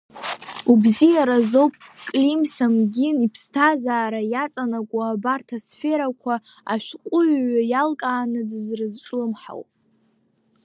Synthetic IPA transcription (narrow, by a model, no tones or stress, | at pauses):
ubzijaɾazowpʼkʼlimsamɡʲinipʰstʰazaːɾajat͡sʼanakʷʼuabartʰasfe̞ɾakʷʰa | a̰ʃʷᶣqʷʼʊɥajalkʼaːnɨdɨzrɨzʈ͡ʂʼlɨmħa̰wpʼ